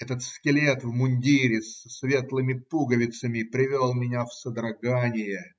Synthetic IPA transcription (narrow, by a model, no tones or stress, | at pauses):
ɛt̪ət̪skʲɪlʲet̪vmʊnʲdʲiɾʲɪsəsvʲe̞t̪lˠɨmʲɪpuɡəvʲɪt̪səmʲɪpɾʲɪvʲolˠmʲɪnʲafsəd̪ɾɐɡanʲɪjə